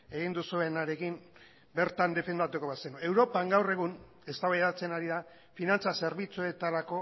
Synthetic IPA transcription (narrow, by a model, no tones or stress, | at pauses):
e̞ɣ̞ind̪usue̞naɾe̞kim | be̞ɾt̪and̪e̞fe̞nd̪at̪uko̞βasenue̞wɾo̞paŋɡawre̞ɣ̞un | e̞st̪aβajðat͡se̞naɾiða | finant͡sase̞ɾβit͡sue̞t̪aɾako̞